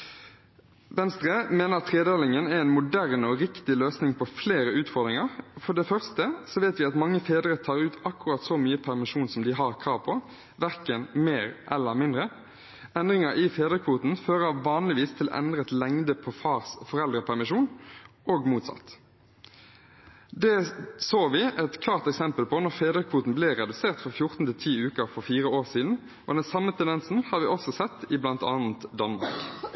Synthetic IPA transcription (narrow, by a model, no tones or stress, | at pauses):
ʋɛnst̪ʁeːmeːnəɑt̪ʰʁeːd̪eːlɪŋənæɛnmʊd̪æʁnɔʁɪkt̪ɪløːsnɪŋpʰɔfleːɾəʉːt̪fɔʁd̪ɾɪŋɑʁfɔɖɛfœʁst̪əsɔʋeɪt̪ʋɪɑt̪mɑŋːəfeːd̪əʁət̪ʰɑːʁʉːt̪ɑkːʉʁɑːt̪sɔmyːəpʰæʁmɪʃuːnsɔmd̪ɪɦɑʁkʰɾɑːʋpʰɔ | ʋæʁkənmeːʁʔɛlːəmɪnd̪ɾə | ɛnd̪ʁɪŋəɾʔɪfeːd̪ʁəkʰʋuːt̪n̩føːʁəʋɑːnlɪʋiːst̪ʰɪl̰ʔɛ̰nd̪ɾət̪lɛŋd̪əpʰɔfɑːʁsfɔʁɛld̪ɾəpʰæʁmɪʃuːnʔoːɡmuːt̪sɑ̰t̪ː | d̪ɛsoːʋɪʔɛt̪kʰlɑːʁt̪ɛksɛmpəlpʰɔnɔʁfeːd̪əkʰʋuːt̪n̩blɪʁɛd̪ʉseːʁt̪fɔʁfjʊʁt̪n̩t̪ʰɪlt̪ʰiːʉːkəʁfɔʁfiːʁəoːʁsiːd̪n̩ | ʔɔːd̪ɛnsɑmːət̪ʰɛnd̪ɛnsn̩hɑːɾʋɪʔɔsɔsɛt̪ːɪblɑnt̪ɑ̰ːnn̩t̪d̪ɑnmɑ̰ʁk